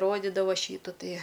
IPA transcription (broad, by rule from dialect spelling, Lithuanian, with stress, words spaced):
ˈroːdʲɪdɐʋɐ ˈʃʲiːtʊ ˈtʲiɛ